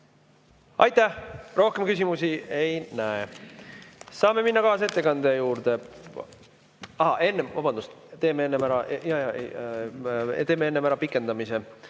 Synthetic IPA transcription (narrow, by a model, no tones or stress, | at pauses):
ɑ̰jt̪ˑæhro̞hke̞mkys̬ʲimusie̞jnæe | sɑːme̞minːɑkɑːsɑe̞t̪ːe̞kɑnd̪̥e̞juːɾd̪̥e̞ | ɑɦɑʔe̞nːevɑbɑnd̪ust̪t̪e̞ːmeenːemæɾɑjɑjɑḛj | t̪e̞ːmːeenːemæɾɑpikˑːe̞nd̪̥ɑmise̞